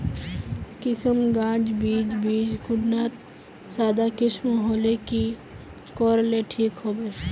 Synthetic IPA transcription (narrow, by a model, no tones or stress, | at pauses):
kɪsəmɡãːd͡ʒbiːd͡ʒbiːd͡ʒɡʊɖnaːt̪ | saːd̪akɪsmaɦoːleki | kɔːɾleʈʰiːkɦoːbeː